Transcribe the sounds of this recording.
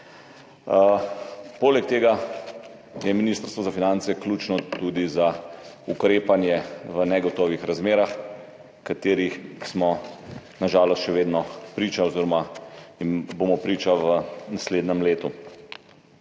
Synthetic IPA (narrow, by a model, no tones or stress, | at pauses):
poːlɛk̚t̪eːɡa | jɛminiːst̪əɾst̪ʋɔzafinant̪sɛklut͡ʃnɔt̪uːd̪iza | ukɾeːpanjɛʋənɛɡɔt̪ɔːʋixɾazmeːɾax | kat̪eːɾixsmɔnaʒaːlɔst̪ʃɛʋeːd̪nɔpɾiːt͡ʃaoziɾɔmaimbomɔpɾiːt͡ʃaʋənasleːd̪nɛmleːt̪u